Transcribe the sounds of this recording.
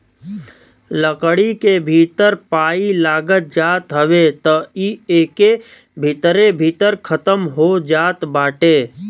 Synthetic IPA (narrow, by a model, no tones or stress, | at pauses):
ləkɽikebʱiːt̪əɾpaːilaːɡət̪̚d͡ʒaːt̪ɦəʋet̪ɔieːke | bʱit̪ɾebʱiːt̪əɾkʰət̪əmɦod͡ʒaːt̪baːʈeː